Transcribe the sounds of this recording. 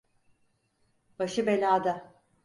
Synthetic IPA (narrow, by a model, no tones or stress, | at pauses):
baʃɯbe̞lʲaːd̪a